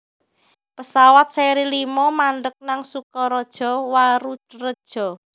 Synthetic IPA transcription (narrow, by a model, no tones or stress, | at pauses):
pəsawat̪̚sɛɾilimɔmaɳɖək̚naŋsukɔɾɔd̥ʒ̥ɔ̤waɾurəd̥ʒ̥ɔ̤